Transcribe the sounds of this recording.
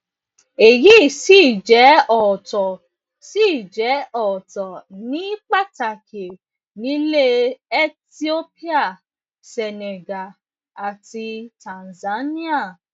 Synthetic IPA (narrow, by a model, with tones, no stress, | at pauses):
e˨ji˨˦i˦˨si˦˨d͡ʒɛ˨˦ɔ˦˨tɔ˨ | si˦˨d͡ʒɛ˨˦ɔ˦˨tɔ˨nĩ˨˦k͡pa˦ta˨kʰe˨ | nĩ˨˦le˦e˦ti˦o˦pi˦a˦˨ | sɛ˨ne˨ɡa˨ | a˨ti˧tã˨nza˨˦nĩ˦a˦˨